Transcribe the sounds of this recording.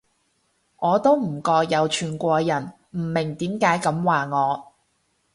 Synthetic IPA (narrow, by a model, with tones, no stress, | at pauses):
ŋɔː˨˧t̪o˥wm̩˨˩kɔː˧kjɐ˨˧wt͡ʃʰyː˨˩nkʷɔː˧jɐ˨˩n | m̩˨˩mɪ˨˩ŋt̪iː˨˥mkaː˨˥jkɐ˨˥mwaː˨ŋɔː˨˧